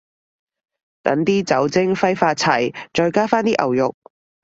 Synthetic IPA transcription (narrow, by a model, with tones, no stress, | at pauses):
t̪ɐ˨˥ŋt̪iː˥t͡sɐ˨˥wt͡sɪ˥ŋfɐ˥jfaː˧t̚t͡sʰɐ˨˩jt͡ʃɔː˧jkaː˥faː˥nt̪iː˥ʔɐ̰˨˩wjʊ˨k̚